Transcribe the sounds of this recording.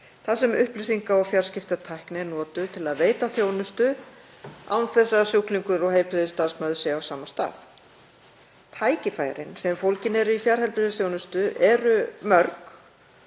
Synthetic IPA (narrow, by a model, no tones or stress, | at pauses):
θasɛmʏhplʏsiŋkaɔɣfjaɾ̥scɪft̪at̪ʰajhknɪnɔːt̪ʏt̪ʰɪlaðveːjt̪aθjoːwnʏst̪ʏ | a̰wnθɛsːasjuwkliŋkʏɾɔɣɦejlpʰɾɪðɪst̪aːðsmœðʏsɪawsaːmast̪a̰ːθ | t̪ʰaːjcɪfaːj̰ɾɪ̰nsɛmfowlcɪnɛɾʏifjaɾ̥hɛlpɾʏðɪθjownʏst̪ʏʔɛɾʏmœɾk